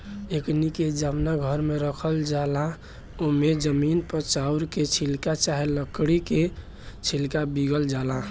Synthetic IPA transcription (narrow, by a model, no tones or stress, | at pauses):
ekniked͡ʒabnaɡʱəɾmeɾəkʰəld͡ʒala | omed͡ʒəminpəɾt͡ʃaʊɾket͡ʃʰilkat͡ʃaɦeləkɽike | t͡ʃʰilkabiɡəld͡ʒala